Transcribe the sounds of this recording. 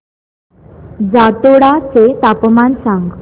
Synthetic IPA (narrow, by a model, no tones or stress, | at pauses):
d͡zat̪oɽat͡set̪apmansãŋɡ